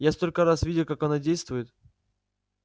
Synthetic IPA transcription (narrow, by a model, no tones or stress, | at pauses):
jast̪olʲkəɾasvʲidʲɪlˠkakɐnadʲejst̪vʊjɪt̪